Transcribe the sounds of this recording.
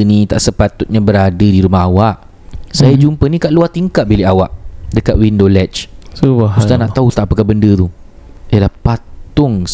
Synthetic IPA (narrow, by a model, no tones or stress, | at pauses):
nĩt̪a̰ʔsəpat̪ʊt̪̚ɲãbəɾadədiɾumahɦawaʔ | sajad͡ʒumpənĩkaʔluat̪iŋkat̪̚bilɪʔawaʔdəkat̪̚windolɛt͡ʃsubaust̪anaʔ̪aut̪aʔpəkabəndət̪uialahpatt̪ʊŋ